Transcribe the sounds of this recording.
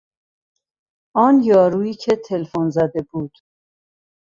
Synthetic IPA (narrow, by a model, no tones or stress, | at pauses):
ʔɒːnjɒːɾuːiːcʰet̪ʰelfonzæd̪e̞buːd̪̥